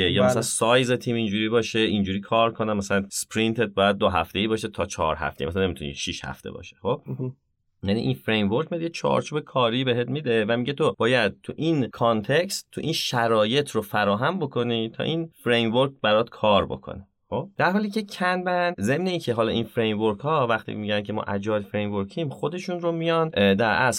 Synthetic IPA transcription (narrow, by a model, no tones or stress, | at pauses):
ejɒːmmæsælænsɒːjzet̪ʰiːmind͡ʒuːɾiːbɒːʃeind͡ʒuːɾiːkʰɒːɾkʰo̞næmæsælænspɾint̪ʰet̪̚bɒːjæd̪̚ːoɦæ̰ft̪eiːbɒːʃet̪ʰɒːt͡ʃʰɒ̰ɾɦæ̰ft̪ej̰imæsælænemit̪unḭʃiʃhæ̰ft̪ḛbɒ̰ːʃe̥xo̞b̥̚ | jænḭʔinfɾejmvoɾkʰmijɑd̪jet͡ʃʰɒ̰ːɾt͡ʃʰuːbekʰɒːɾibe̞ɦet̪mid̪e̞væmiɟet̪ʰob̥ɒːjæd̪̥̚t̪ʰuʔinkʰɒnt̪ʰe̞cst̪ʰːuʔinʃæɾɒːje̞t̪ʰrofæɾɒːɦæmbokʰo̞nit̪ʰɒ̰ːʔinfɾejmvoɾkbæɾɒt̪kʰɒːɾbo̞̰kʰo̰ne | xo̞b̥̚d̪̥æɾɦɒːliːcʰe̞cʰænbænze̞mne̞iːncʰe̞ɦɒːlɒːʔinfɾejmvoɾkhɒːvæxt̪ʰḭmiɟænkʰemɒ̰ʔæd͡ʒɒːlfɾe̞jmvoɾcʰimχo̞d̪e̞ʃunɾomijɒnd̪æɾæs